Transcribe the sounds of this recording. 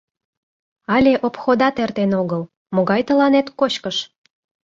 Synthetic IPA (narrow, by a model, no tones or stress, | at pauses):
ɑlʲeʔopxod̪ɑt̪ert̪enoɣəl | moɣɑjt̪əlɑnet̪kot͡ɕkəʃ